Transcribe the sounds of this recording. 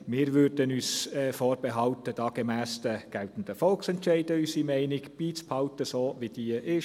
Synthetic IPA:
mɪːɾʋøːɾd̥ənyːsɛːfoːɾbɛɦɑlt̪əd̥ɑːɡ̥emæːsd̥əɡ̥ɛlt̪n̩d̥̪əfɔlksɛntʃɛɪdəysimɛɪnɪɡb̥iːt͡spʰhɑʊt̪əsoːʋid̥iəʔɪʃ

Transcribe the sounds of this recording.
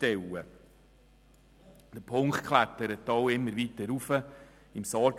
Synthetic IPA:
tɛwə | d̥əpʰʊŋktkχlæt̪əɾətːɔwɪmːəɾʋit̪əɾufə | ɪmsɑː

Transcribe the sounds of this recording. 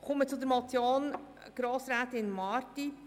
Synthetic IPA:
χʊmət͡sʊd̪əɾmɔt͡sjoːn | ɡ̥ɾoːsɾaːtɪnmɑːɾti

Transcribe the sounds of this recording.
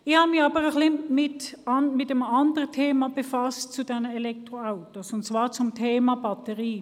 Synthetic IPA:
ɪçhaːbəmɪçɑːbəʁəχlimɪtɑnmɪt̚dɛmɑndəʁətʰeːmab̥əfɑst̚t͡sudɛnəelɛk̚tʁoaʊtosʊnt̚t͡sv̥aːʁt͡sʊmtʰeːmabɑtəʁiː

